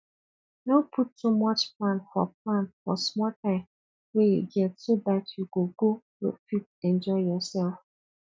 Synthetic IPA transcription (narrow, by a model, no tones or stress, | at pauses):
nopʰutʰːumʌt͡ʃplãnfɔ̰p̚lãnfɔsmɔltʰãɪ̃m | wejḛɡɛtsobatʰjuɡoɡo | lo̰fit̚ɛ̃nd͡ʒɔɪjɔsɛlf